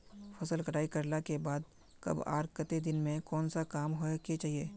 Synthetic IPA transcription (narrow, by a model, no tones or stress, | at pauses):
pʰɐsəlkɐʈaːikɐɾlakebaːd̪̚ | kɐ̰ba̰ːɾkət̪ed̪ɪnmẽkɔːnsakaːmɦoeket͡ʃaːɦieː